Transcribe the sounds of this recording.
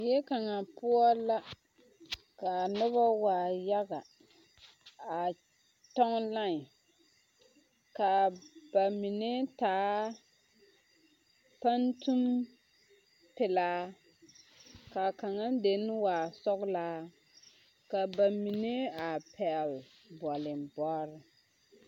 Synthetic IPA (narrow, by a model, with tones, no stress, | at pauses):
jɛ˦ka˨ŋa˨pʊ˦ɔ˦la˦ | ka˨nʊ˦βa˦waː˨ja˦ɡa˨ | a˨ | tɔ˦ŋla˦ŋ˨ | ka˨ba˨mi˨nɛ˦taː˨˦ | pa˦ntu˦m | pɪ˨laː˦ | ka˨ka˨ŋa˦n˦de˨n˦waː˨sɔ˦ɣlaː˦ | ka˨ba˨mi˨ne˦a˨pʰɛ˨l | bɔ˨lɪ˨mbɔ˦ɾɪ˨